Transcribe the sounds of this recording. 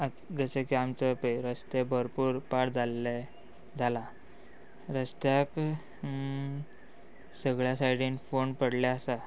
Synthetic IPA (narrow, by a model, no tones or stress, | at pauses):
a | d͡zəɕekiamt͡səpeɾəst̪ebʱəɾpuːɾpaɽd͡zʱalːe | d͡zʱala | ɾəst̪jak | səɡɭjasajɽinfoɳpəɽlaasa